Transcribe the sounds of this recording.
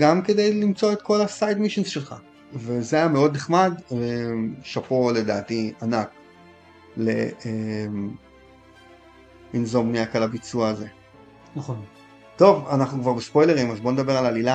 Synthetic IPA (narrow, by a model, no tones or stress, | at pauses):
ɡamke̞de̞jlimt͡so̞et̪̚ko̞lasajdmiʃinzʃe̞lχa̰ | ve̞zeajame̞o̞d̪neχmademʃapo̞le̞da̰ːtianak | le̞em | inzomniakalabit͡suaːze̞ | nχon | to̞va̰naχnukvaʁbespo̞jleʁimazbo̞ned̪abe̞ʁalalila